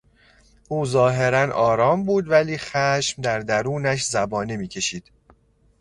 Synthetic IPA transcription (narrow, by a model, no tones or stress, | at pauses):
ʔuːzɒːɦe̞ɾænʔɒːɾɒːmbuːd̪væliːxæʃmd̪æɾd̪æɾuːnæʃ̬zæbɒːnimiːcʰe̞ʃiːd̪̥